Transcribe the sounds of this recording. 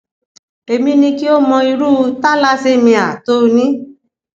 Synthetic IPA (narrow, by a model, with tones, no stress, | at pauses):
e˧mĩ˦nĩ˧ki˦o˦mɔ̃˧i˧ɾu˦˧ta˦la˦se˦˨mĩ˧a˨to˦˧nĩ˦